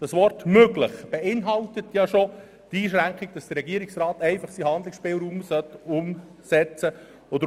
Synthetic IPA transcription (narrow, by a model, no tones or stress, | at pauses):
d̥ɑsʋɔrtmøɡləχb̥ɛɪnɦɑltətʰjɑʃo | tiːʃ̬ɾæŋkχɪɡ̚d̥ɑsd̥əɾɛɡiəɾiksrɑːtɛɪfɑχsihɑnd̪lɪksʃpɪːlɾuːmsœtːʊm | sɛt͡sə | od̪